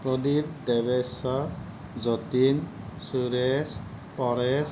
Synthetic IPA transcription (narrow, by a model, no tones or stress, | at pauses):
pɾɔd̪ip̚d̪ebesə | d͡ʒɔt̪in | suɾes | pɔɾes